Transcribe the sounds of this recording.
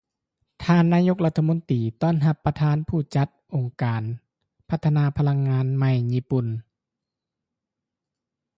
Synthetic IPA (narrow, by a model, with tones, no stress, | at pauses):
t̪ʰaː˧˨nːaː˧˥˨jo˧˥k̚la˧t̪ʰːa˧mo˧˥nt̪iː˨˩t̪ɔː˥˩˨nɦa˧pːɾa˧t̪ʰaː˧˥˨npʰuː˧˩t͡ɕa˧˦t̪̚ʔo˨ŋkaː˨˩n | pʰa˧t̪ʰːa˧naː˧pʰa˧la˧ŋːaː˧˥nma˧˩jɲiː˧˥pu˨˩n